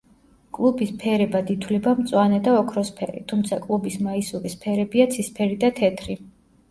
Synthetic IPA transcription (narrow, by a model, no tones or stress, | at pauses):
kʼlˠubispʰɛɾɛbad̪it̪ʰwlɛbamt̪sʼwanɛd̪aɔkʰɾɔspʰɛ̰ɾḭt̪ʰumt̪sʰakʼlˠubismaisuɾispʰɛɾɛbiat̪sʰispʰɛɾid̪at̪ʰɛt̪ʰɾi